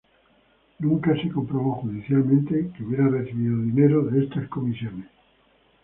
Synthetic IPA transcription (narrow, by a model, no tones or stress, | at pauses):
nũŋkaseko̞mpɾoβoxuðiθjalmẽnt̪ekeuβjeɾareθiβiðoðineɾoðeest̪asko̞misjo̞nes